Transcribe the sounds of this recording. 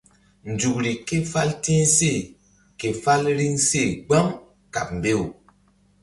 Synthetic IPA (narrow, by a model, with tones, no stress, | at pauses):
n̩˨d͡ʒu˨kɾi˨ke˦fa˦lti˦se˦˨ | ke˨fa˦lɾi˦ŋse˦˨ɡ͡ba˦m | ka˨p̚m̩˨be˦˨w